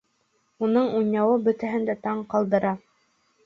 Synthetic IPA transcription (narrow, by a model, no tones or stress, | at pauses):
unɤɴunɑwɤbɵ̆t̪æɦɘ̆nd̪æt̪ɑɴqɑlˠd̪ɤ̆ɾɑ